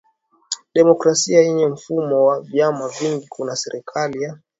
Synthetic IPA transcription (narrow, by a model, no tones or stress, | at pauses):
ɗɛmɔkɾasiaiɲɛm̩fumɔwavjamaviŋɡikunasɛɾʔikʰalija